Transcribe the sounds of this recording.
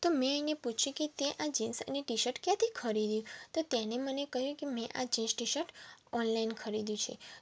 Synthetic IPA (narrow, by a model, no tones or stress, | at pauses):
t̪omɛ̃əĩeput͡ʃʰjũket̪eʔad͡ʒinsə̰neʈiʃəɾʈkjãt̪ʰikʰəɾid̪jũt̪ot̪janemənekəɦjũkemɛ̃ʔad͡ʒinsʈiʃəɾʈɔnlainkʰəɾid̪jũt͡ʃʰḛ